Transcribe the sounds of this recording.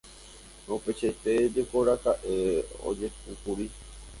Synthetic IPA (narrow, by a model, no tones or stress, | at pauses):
ope̞t͡ʃet̪ed͡ʒekoɾakaʔeo̰d͡ʒe̞pɨkuɾi